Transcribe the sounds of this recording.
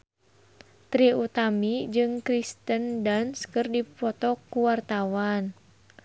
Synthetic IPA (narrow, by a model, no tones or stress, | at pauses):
t̪ɾiut̪amid͡ʒɨŋkɾist̪əndanskɨrdipɔt̪ɔkuwart̪awan